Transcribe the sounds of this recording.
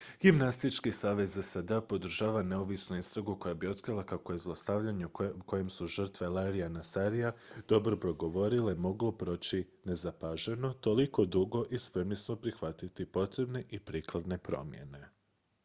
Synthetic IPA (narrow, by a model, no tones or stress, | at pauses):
ɡ̥imnast̪it͡ʃkisaːʋe̞zesad̪eapo̞d̪r̩ʒaːʋane̞oʋisnuist̪ɾaɡuko̞jabio̞t̪kɾilˠakako̞je̞zlˠost̪aʋʎaɲeuko̞jemsuʒr̩t̪ʋelaɾijanasaɾijad̪̥o̞bɾo̞pɾo̞ɡo̞ʋo̞ɾilemo̞ɡlo̞pɾo̞ːt͡ɕi | ne̞zapaʒe̞no̞t̪o̞liko̞d̪uɡo̞ʔispɾe̞mlismo̞pɾixʋat̪it̪ipo̞t̪ɾe̞bneʔipɾiːklˠad̪ne̞pɾo̞̰mje̞̰ne̞